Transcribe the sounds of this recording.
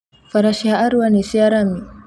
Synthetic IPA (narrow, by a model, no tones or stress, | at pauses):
faɾaʃiaʔaɾwanisiaɾami